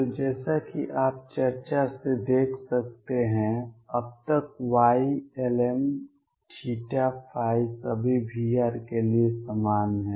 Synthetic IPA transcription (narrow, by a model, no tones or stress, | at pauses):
t̪od͡ʒɛːsakiʔaːp̚t͡ʃɐɾt͡ʃased̪eːkʰsɐk̚t̪eɦɛ̃ɐb̚t̪ək̚waːiɛlɛm | ʈʰiːʈapʰaːɪsəbʱibʱiːaːɾkeliesamaːnɦɛ̃ː